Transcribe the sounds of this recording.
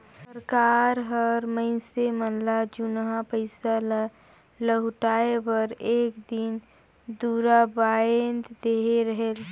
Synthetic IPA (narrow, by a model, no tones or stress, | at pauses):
ssəɾkaɾɦəɾməɪsemənlad͡ʒʊnɦapəɪsal | ləɦʊʈaːebəɾeːkd̪in | d̪uɾabaend̪d̪eɦeɾəɦel